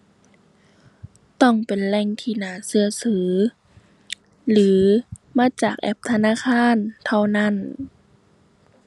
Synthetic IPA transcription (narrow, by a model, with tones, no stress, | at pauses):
t̪ɔ˧˩˨ŋpe˨nlɛ˧˩ŋt̪ʰiː˧˩˨naː˨˧˦sɯ˧ɐsɯː˨˩˦ | lɯː˨˦maː˧˥˨t͡ɕaː˨˩k̚ʔɛ˧˩p̚t̪ʰa˧naː˧˥˨kʰaː˧˥˨nt̪ʰa˧wna˧˥˨n